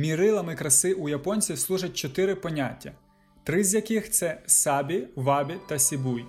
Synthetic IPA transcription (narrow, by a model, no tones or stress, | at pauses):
mʲiɾɪlˠɐmɪkɾɐsɪʔujɐpɔnʲt͡sʲislˠuʒɐt̚ʲt͡ʃɔt̪ɪɾɪpɔnʲatʲːɐ | t̪ɾɪzʲjɐkɪxt̪sɛsɑbʲiʋɑbʲit̪ɐsʲibuj